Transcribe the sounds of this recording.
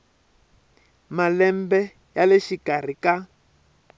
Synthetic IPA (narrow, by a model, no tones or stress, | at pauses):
malɛmbɛ | jaleʃikar̤ika